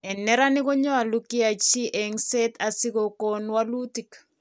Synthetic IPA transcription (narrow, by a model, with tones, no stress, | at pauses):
ɛ˨nɛ˦ɾa˦nɪ˦ko˦ɲɔ˦a˨lu˦ki˦a˨t͡ʃi˦ʔɛ˨ŋse˦ta˨sɪ˦ko˨ko˨nwa˦lu˦ti˨k